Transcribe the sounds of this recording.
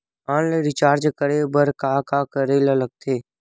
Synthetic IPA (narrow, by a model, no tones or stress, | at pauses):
aːnleɾɪt͡ʃaːɾd͡ʒkəɾebəɾkaːkaːkəɾelələɡ̚t̪ʰeː